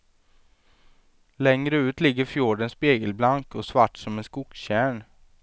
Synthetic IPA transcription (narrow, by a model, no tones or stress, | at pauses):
lɛŋɾəʉ̟ːt̪lɪɡːəɾfjuːɖənspeːɡəlblaŋkɔsvaʈːsɔmɛnskʊksɕæːɳ